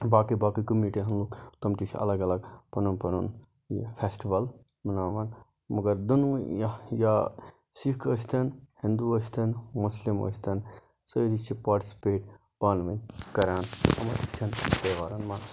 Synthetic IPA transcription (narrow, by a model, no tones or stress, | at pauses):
baːkibaːkikumiːʈiɦɐnlukt̪ɐmt̪it͡ʃʰɐ̰lɐɡɐlɐɡpɐnunpɐnṵn | jipʰeːsʈiʋɐl | mɐnaːʋaːn | mɐɡɐɾd̪unjja | sikʰəst̪ʰɐnhĩnd̪uəst̪ʰɐnmuslimo̰st̪ʰen | səd̪it͡ʃʰipaːɾʈi̥si̥peːʈ | paːnʋɐnkɐɾaːnt̪ɐmɐ̰si̥t̪ʰɐnpɐʋaːɾɐnma